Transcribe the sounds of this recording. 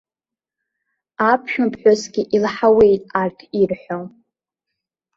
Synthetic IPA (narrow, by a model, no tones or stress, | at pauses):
apʰʃᶣʊpʰħᶣosɡʲɪʔilħawe̞jtʼartʰirħʷᶣo